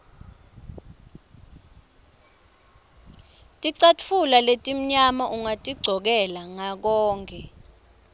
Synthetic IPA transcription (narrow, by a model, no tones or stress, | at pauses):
tʼiǀatfulaletʼim̩ɲamaʔuŋatʼiɡ͡ǀʱɔk̬ɛlaŋak̬ɔːŋkʰʼɛ